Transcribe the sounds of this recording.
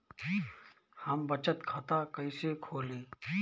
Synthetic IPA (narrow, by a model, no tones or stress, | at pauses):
hɐmbət͡ʃət̪kʰət̪aːkəisekʰoːliː